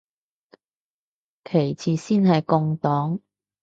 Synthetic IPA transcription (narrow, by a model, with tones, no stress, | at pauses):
kʰe˨˩jt͡sʰiː˨siː˥nɦɐ˨jkʊ˨˧ŋt̪ɔː˨˥ŋ